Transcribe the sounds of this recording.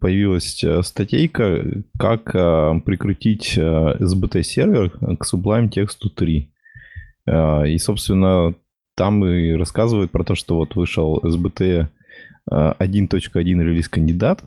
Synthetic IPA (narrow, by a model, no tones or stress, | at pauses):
pəjɪvʲilˠəsʲəst̪ɐtʲejkəkakəpɾʲɪkɾʊtʲitʲəɛzbət̪ɛsʲervʲɪrksʊblˠamtʲe̞kst̪ʊt̪ɾʲi | əiso̞pst̪vʲɪnːə | t̪amɨɾɐskazɨvəjʊt̪̚pɾɐt̪o̞ʂt̪ovo̞t̪vɨʂəlˠɛzbət̪ɛ̰ | ɐdʲint̪o̞t͡ɕkəɐdʲinɾʲɪlʲiskənʲdʲɪd̪at̪